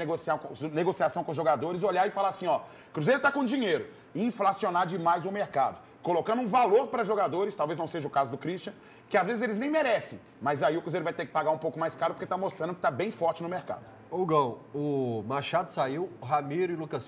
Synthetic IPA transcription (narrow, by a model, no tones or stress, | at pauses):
eɡosiakõneɡosiasɐ̃w̃kõʊzʒoɡad̪oɾɪzoʎaɪfalaɾasĩɔ | kɾuzejɾʊt̪akõd͡ʒĩɲejɾʊ | ɪĩflasionaɾd͡ʒɪmajzʊmeɾkad̪ʊ | kolokɐ̃nd̪ʊũvaloɾpɾɐʒoɡad̪oɾɪst̪awveznɐ̃seʒɐʊkazʊd̪ʊkɾiʃt͡ʃiɐ̃ | kɪazvezɪzelɪznẽj̃meɾɛsẽj̃ | mɐjzaiʊkɾuzejɾʊvajt̪eɾkɪ̥paɡaũpowkʊmajskaɾʊpoɾket̪amost̪ɾɐ̃nd̪ʊkɪ̥t̪abẽj̃fɔɾt͡ʃɪnʊmeɾka̰d̪ʊ | owɡɐ̃w̃ʊmaʃad̪ʊsaiwɦamiɾʊɪlukɐs